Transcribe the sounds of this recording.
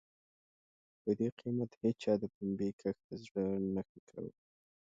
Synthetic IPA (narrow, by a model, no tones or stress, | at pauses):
d̪̥əd̪eqʰimat̪het͡ʃɑd̪əpʊmbekʰəxt̪azɽənəxikʰa̰wḭ